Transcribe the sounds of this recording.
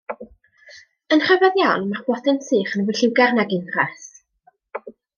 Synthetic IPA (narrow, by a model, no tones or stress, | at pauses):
ənχəvɛðjanmaχwɔdɨnsɨːχənwɪɬɪwɡɛrnaɡɪndras